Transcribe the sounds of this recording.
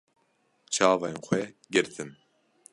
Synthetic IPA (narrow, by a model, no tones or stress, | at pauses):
t͡ʃʰɑːvɑjenxʷɛ | ɡɨɾt̪ʰɨm